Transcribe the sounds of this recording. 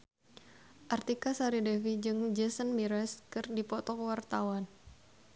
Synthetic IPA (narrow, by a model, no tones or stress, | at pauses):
ʔart̪ikasaɾidɛfid͡ʒɨŋd͡ʒɛsənmiɾɛskɨrdipɔt̪ɔkwart̪awan